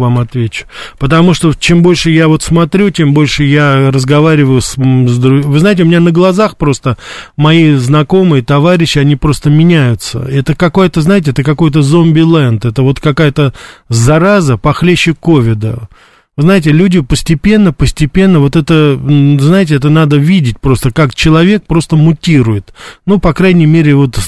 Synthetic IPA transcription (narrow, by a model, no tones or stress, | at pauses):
vamɐt̪vʲet͡ɕʊ̥pət̪ɐmuʂt̪o̞t͡ɕembo̞lʲʂɨjavo̞t̪smɐt̪ɾʲutʲe̞mbo̞lʲʂɨjarəzɡɐvaɾʲɪvəjʊszd̪ɾʊvɨznajɪtʲɪʊmʲɪnʲanəɡlˠɐzaxpɾo̞st̪əmɐiznɐko̞mɨjət̪ɐvaɾʲɪɕːɪɐnʲipɾo̞st̪əmʲɪnʲæjʊt̪sə̰ɛt̪əkɐkojət̪əznaɪt̬ʲɪɛt̪əkɐko̞jt̪̬əzo̞mbʲɪlˠɛnt̪ɛt̪əvo̞t̪kɐkajət̪əzɐɾazəpɐxlʲeɕːɪko̞vʲɪd̪ə̰ | vɨznajɪtʲɪlʲudʲɪpəsʲtʲɪpʲe̞nːəpəsʲtʲɪpʲe̞nːəvo̞t̪ɛt̪əznaɪt̬ʲɪɛt̪ənad̪əvʲidʲɪt̚ʲpɾo̞st̪əkakt͡ɕɪlˠɐvʲe̞k̚pɾo̞st̪əmʊtʲiɾʊjɪt̪nupɐkɾajnʲɪjmʲeɾʲɪvo̞t̪